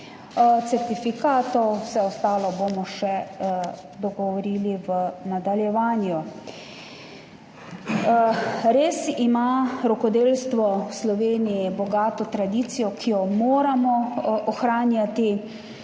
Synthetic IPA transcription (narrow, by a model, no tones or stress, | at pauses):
t̪sɛɾt̪ifikaːt̪ɔwsɛɔst̪aːlɔbomɔʃɛ | d̪ɔɡɔʋɔɾiːliʋənad̪aljɛʋaːnju | ɾeːsimaɾɔkɔd̪eːlst̪ʋɔwslɔʋeːnijibɔɡaːt̪ɔt̪ɾad̪iːt̪sijɔkʰijɔmoːɾamɔɔxɾaːnjat̪i